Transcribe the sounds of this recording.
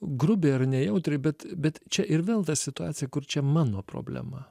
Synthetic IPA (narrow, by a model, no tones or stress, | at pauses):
ɡɾʊbʲeːɐɾnʲɛjɛʊt̪ʲɾʲɛɪbʲɛt̪bʲɛt̪t͡ʃʲɛʔɪɾʋʲeːlˠt̪ɐsʲɪt̪ʊaːt̪sʲɪjɛkʊɾt͡ʃʲɛmɑːnoːpɾo̰ːbʲlʲɛ̰mɐ